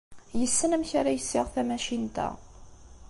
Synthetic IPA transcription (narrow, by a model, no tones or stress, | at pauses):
jəsːənæmçæɾæjəsːɪʁθæmæʃint̪æ̰